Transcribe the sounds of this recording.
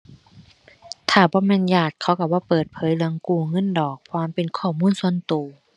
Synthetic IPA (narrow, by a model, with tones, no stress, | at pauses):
t̪ʰaː˧˩bɔː˧˦mɛː˧˥˨njaː˧˩t̪̚kʰa˧˥˩wka˧˩bɔː˧˦pɤː˨˩t̪̚pʰɤː˨˧˦jlɯ˧əŋkuː˧˩ŋɤ˧˥˨ndɔː˨˩k̚ʰwaː˧˥˨mpe˨nkʰɔː˧˩muː˧˥˨nsu˧˩ənt̪uː˨˩